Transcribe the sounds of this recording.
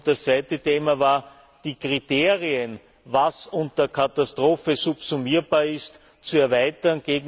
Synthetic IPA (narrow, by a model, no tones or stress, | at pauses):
d̥ɐst͡sv̥æɪtətʰeːmavaːɐ | d̥iːkʁ̥iteːʁiən | vasʊntɐkʰatastʁoːfəsʊpsumiːɐbaːɐɪst | t͡suɛɐvæɪtɐnɡ̥eːɡŋ